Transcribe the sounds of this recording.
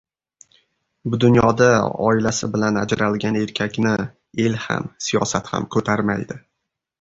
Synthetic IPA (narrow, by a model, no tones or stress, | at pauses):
bʊd̪ʊnjɒd̪aɒ̰ɪlasɪbɪlanad͡ʒɾalɡʲane̞ɾkʲʰakʲnɪ | e̞lha̰msijɒ̰sat̪ha̰mkʰɵt̪ʰaɾmajd̪ɪ